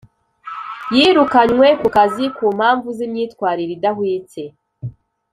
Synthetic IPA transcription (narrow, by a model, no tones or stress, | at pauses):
jiːɾukaɲŋwe̞kukazikuːm̥haːɱvuzimɲiːtkwaːɾiɾidahwiːt͡se̞